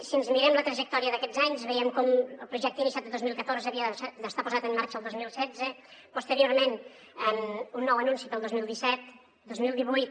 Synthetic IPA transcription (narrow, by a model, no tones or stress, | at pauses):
siənzmiɾɛmlət̪ɾəʒək̚t̪ɔɾiəðəkɛd͡zaɲzβəjɛmkɔməlˠpɾuʒɛkt̪inisjat̪əðozmilˠkət̪oɾzəːβiəd̪əst̪apuzat̪əmːaɾt͡ʃəːlˠd̪ozmilˠsɛd͡zəpust̪əɾioɾmen | əmunːɔwənunsipəlˠd̪ozmilˠd̪isɛt̪̚ | d̪ozmilˠd̪iβujt̪̚